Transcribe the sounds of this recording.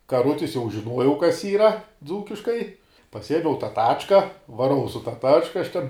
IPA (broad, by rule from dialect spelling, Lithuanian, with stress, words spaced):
kɐˈrʊtʲɪs jɛʊ ʒʲɪˈnuɔjɛʊ kɐs ˈiːrɐ ˈd͡zuːkʲɪʃkɐɪ pɐˈsʲiɛmʲɛʊ tɑː ˈtɑːt͡ʃkɐ ʋɐˈrɐʊ sʊ tɐ ˈtɑːt͡ʃkɐ ɐʃ ˈtʲɛn